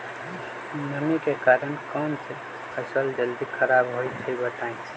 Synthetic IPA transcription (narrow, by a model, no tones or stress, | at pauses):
nəmikekaɾənkɔmse | əsəld͡ʒəld̪ikʰəɾabɦoit͡ʃʰibəʈaĩt͡ʃʰ